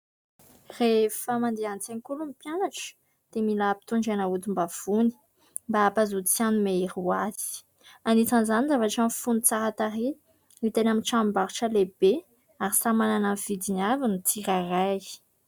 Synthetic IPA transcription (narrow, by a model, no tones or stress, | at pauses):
refəmand̪eant͡senikulumipjanaʈ͡ʂə̥ | d̪̥emilapi̥t̪uɳɖ͡ʐanaut̪umbav̥uni̥ | mbaːpazut͡sianumeiɾuazi̥ | anit͡sanzanizavaʈ͡ʂəmfunit͡saɾat̪aɾi | nit̪enaminʈ͡ʂambaɾuʈ͡ʂəleb̥e | aɾisamananav̥id̪inavinut͡siɾaraj